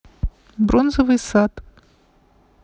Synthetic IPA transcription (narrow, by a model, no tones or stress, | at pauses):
bɾonzəvɨjsat̪